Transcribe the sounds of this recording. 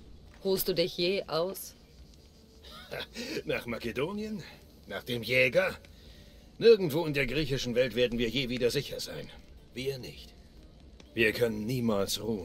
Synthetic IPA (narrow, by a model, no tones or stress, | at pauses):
hoːlstd̥uːdɪçjeːʔaʊs | naːχmakedoːnjən | naːχd̥eːmjɛːɡɐ | nɪɐɡŋ̩tv̥oːɪndeːɐɡʁiːçɪʃn̩vɛltv̥eːɐdn̩viːɐjeːviːdɐzɪçɐza̰ɪnviːɐnɪçt | viːɐkʰœnənːiːmaːlsʁuːən